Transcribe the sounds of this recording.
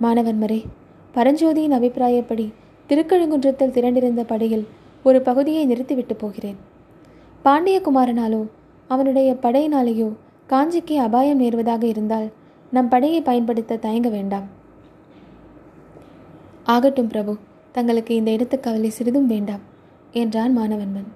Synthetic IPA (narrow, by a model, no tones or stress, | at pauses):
maːnɐʋɐnmɐɾɐɪ | pɐɾɐɲd͡ʒoːðɪjɪnɐbɪpːɪɾaːjɐpːɐɽi | t̪ɪɾɯkːɐɻɯŋɡɯɳdrɐt̪ːɪlt̪ɪɾɐɳɖɪɾɯnd̪ɐpɐɽɐjɪl | ɔɾɯpɐɣɯðɪjɐɪnɪɾɯt̪ːiʋɪʈːɯpːoːɣɪreːn | paːɳɖɪjɐkʊmaːɾɐnaːloː | ɐʋɐnɯɽɐjɐpɐɽɐɪnaːlɐjoː | kaːɲd͡ʒɪkːɯɐbaːjɐmeːɾʋɐðaːɣɐɪɾɯnd̪aːl | nɐmpɐɽɐjɐɪpɐjɐnpɐɽɯt̪ːɐt̪ɐjɐŋɡɐʋeːɳɖaːm | aːɣɐʈːɯmpɾɐbɯ | t̪ɐŋɡɐɭɯkːɯɪnd̪ɐɪɽɐt̪ːɐkːɐʋɐlisɪɾɯðɯmʋeːɳɖaːm | ɛndraːnmaːnɐʋɐnmɐn